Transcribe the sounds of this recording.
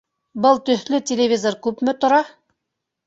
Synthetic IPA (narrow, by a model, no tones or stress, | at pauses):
bɤlˠt̪ɵ̆θlɵtʲelʲevʲizoɾkʉpmɘ̆t̪ŏɾɑ